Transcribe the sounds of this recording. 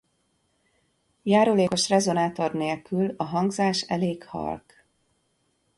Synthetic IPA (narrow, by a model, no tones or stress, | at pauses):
jaːɾoleːko̞ʃrɛzo̞naːt̪o̞rneːlkylɒɦɒŋɡzaːʃɛleːkhɒ̰lk